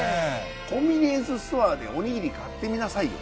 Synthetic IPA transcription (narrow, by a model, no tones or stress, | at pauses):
e | kõ̞mʲinʲiẽsɨst̪oaːd̪e̞o̞ɲ̟iɡʲiɾʲikat̪ːe̞mʲinasaijo̰